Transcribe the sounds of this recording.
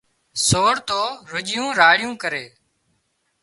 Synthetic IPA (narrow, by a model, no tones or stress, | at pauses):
soːɽt̪oːɾʊʄɪjũːɾaːɽɪjũːkəɾeː